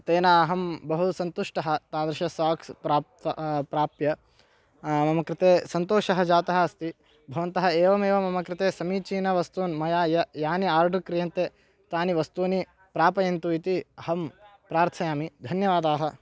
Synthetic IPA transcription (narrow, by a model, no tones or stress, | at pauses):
t̪eːnaːɦɐmbɐɦusɐnt̪uʂʈɐɦɐ̆t̪aːd̪ɾɪʃɐsaːkspɾaːpɾaːpjɐ | mɐmɐkɾɪt̪eːsɐnt̪oːʃɐɦɐd͡ʒaːt̪ɐɦɐɐst̪i | bʱɐʋɐnt̪ɐɦɐeːʋɐmeːʋɐmɐmɐkɾɪt̪eːsɐmiːt͡ʃiːnɐʋɐst̪uːnmɐjaːjɐjaːniaːɾɖʱukɾijɐnt̪eː | t̪aːniʋɐst̪uːni | pɾaːpɐjɐnt̪uit̪iɐɦɐmpɾaːɾt̪ʰɐjaːmid̪ʱɐnjɐʋaːd̪aːɦɐ̆